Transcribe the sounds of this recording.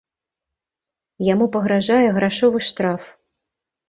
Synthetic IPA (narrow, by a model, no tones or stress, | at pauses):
jamupɐɣɾaʐajɛɣɾaʂɔvɨʂt̪ɾaf